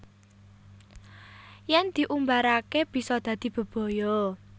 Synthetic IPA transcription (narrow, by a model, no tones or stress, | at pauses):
jɛnd̪̥i̤ʔumbaɾakeb̥i̤sɔd̪̥ä̤d̪̥i̤b̥ə̤b̥ɔ̤jɔ